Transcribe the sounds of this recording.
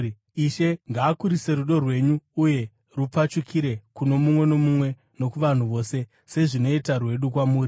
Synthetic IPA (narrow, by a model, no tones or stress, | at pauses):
iʃe̞ŋɡaːkuɾise̞ɾuɗo̞rwe̞ɲuːje̞ | rup͡fat͡ʃukʰiɾe̞kuno̞mumwe̞no̞mumwe̞ | no̞kuʋan̤uʋo̞ːse̞ | se̞ʐino̞itarwe̞ɗukwamuːri